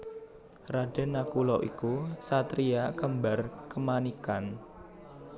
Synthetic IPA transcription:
raɖ̥ə̤nakulɔʔikusat̪ɾiakəmbarkəmanikan

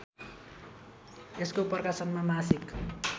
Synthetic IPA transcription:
eskopʌrkasʌnmamasik

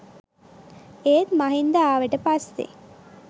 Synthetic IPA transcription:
eːt̪mɐɦind̪aaːʋeʈəpastḛ

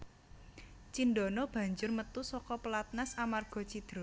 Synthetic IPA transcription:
t͡ʃindɔnɔb̥ä̤ɲd͡ʒʊrmət̪usɔkɔpəlat̪̚nasamarɡ̥ɔ̤t͡ʃid̪̥ɾo

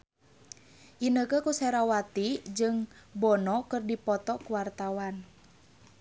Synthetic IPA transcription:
ʔinəkəkusɛɾawat̪id͡ʒɨŋbɔnɔkɨrdipɔt̪ɔkuwart̪awan

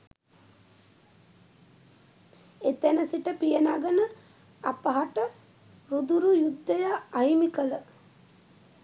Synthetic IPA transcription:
et̪enəsiʈəpijənaːɡənə | apəɦaʈə | ɾud̪uɾujud̪ːejaajmikələ

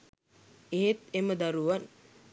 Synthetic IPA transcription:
eɦet̪eməd̪aɾuʋan

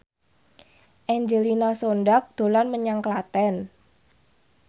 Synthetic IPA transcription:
ʔɛɲd͡ʒelinasonɖak̚d̪̥o̤lanməɲaŋklat̪ɛn

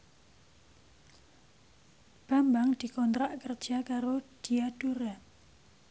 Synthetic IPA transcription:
b̥ambaŋd̪̥i̤kɔnt̪ɾaʔkərd̥ʒ̥a̤kaɾod̪̥iad̥uɾa

